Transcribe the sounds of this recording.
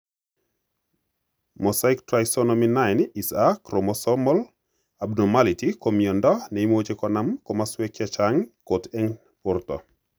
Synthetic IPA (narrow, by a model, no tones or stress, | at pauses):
mɔsaiktɾajsɔnominajnisakɾomɔsɔmɔl | abnomalitikomjɔndɔneimwot͡ʃekɔnamkɔmaswekjat͡ʃaŋkotɛŋ | ʊrt̪ɔ̰